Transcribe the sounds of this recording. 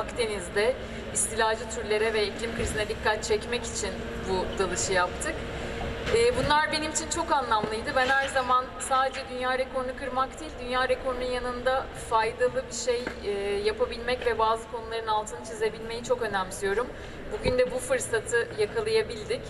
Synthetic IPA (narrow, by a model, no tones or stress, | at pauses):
akt̪ʰe̞nizd̪ɛ | ist̪ʰilʲaːd͡ʒɯt̪ʰyɾlʲe̞ɾɛvɛiclʲimkɯɾizinɛd̪ikʰːat̪̚t͡ʃʰɛcmɛci̥t͡ʃʰin | bud̪alˠɯʃɯjap̚t̪ʰɯkː | bunlˠaɾbe̞nimit͡ʃʰint͡ʃʰo̞kanlˠamlˠɯjd̪ɯbænhæɾzamansaːd̪ed͡ʒɛd̪ynjaːɾeko̞ɾnukʰɯɾmak̚t̪ʰiːlʲd̪ynjaːɾekʰo̞ɾnunjanɯnd̪a | fajd̪alˠɯbiʃejːjːapʰabilʲmɛcvɛbaːzɯkʰo̞nulˠaɾɯnalˠt̪ʰɯnɯt͡ʃʰize̞bilʲme̞jit͡ʃʰo̞kø̞næmsijo̞ɾum | buɟynd̪ɛbufɯɾsat̪ʰɯjakʰalˠajabilʲd̪ic